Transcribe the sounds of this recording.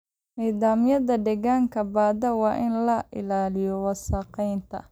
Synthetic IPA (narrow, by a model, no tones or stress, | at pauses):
niːðaːmjɐðɐɖɛɣaːŋkʰɐbaːd̪ɐwɑːʔɪnlɐʔɪ̰laːlɪjɔwɑsɐqɛjnt̪ʰɐ̰